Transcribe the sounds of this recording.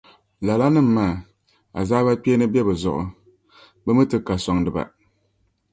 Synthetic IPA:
la˨la˦nɨ˦m̩ː˨˦aː˦˨ | a̰˨zaː˦ba˦k͡peː˦nɨ˦bjɛ˦bɨ˨zʊ̰˨ʔʊ̰˨ | bɨ˦mɨ˦tɨ˦ka˨sɔ˨ŋdɨ˨ba̰˨

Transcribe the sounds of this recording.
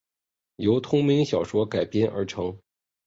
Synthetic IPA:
jo˧˥ʊt̪ʰʊ˥ŋmi˧˥ŋɕjɑ˨˩ʊʂwɔ˥ka˨˩ɪpjɛ˥nʔə̰˞˧˥ʈ͡ʂʰɤ˧˥ŋ

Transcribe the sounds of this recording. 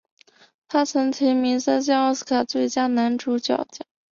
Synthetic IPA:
t̪ʰa˥t͡sʰɤ˧˥ŋt̪ʰi˧˥mi˧˥sa˥ɕ̬jɑ˥ɔ˥˩s̩˥kʰa˨˩t͡swe˥˩ɪt͡ɕja˥na˧˥nʈ͡ʂu˧˥t͡ɕjɑ̰˨˩ʊt͡ɕjɑ˥˩˦

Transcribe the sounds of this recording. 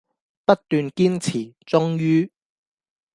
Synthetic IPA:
pɐ˥t̚t̪yː˨nkiː˥nt͡sʰiː˨˩t͡sʊ˥ŋjyː˥

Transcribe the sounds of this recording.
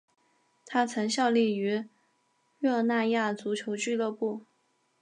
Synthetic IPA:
t̪ʰa˥t͡sʰə˧˥ŋɕjɑ˥˧ʊli˥˩y˧˥ | ɥɔ˥˧na˥˧ja˥˩t͡su˧˥t͡ɕʰjo˧˥ʊt͡ɕy˥˧lɤ˥˧pu˥˩

